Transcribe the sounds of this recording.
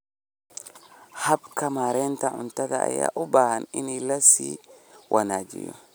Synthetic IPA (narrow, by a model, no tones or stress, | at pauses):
hɐbkʰɐmaːɾɛːnt̪ɐʕʊnt̪ɐðɐɐja̰ːʔʊbaːhɐnɪnɪlɐsiːwʔɐnaːd͡ʒɪ̰jɔ̰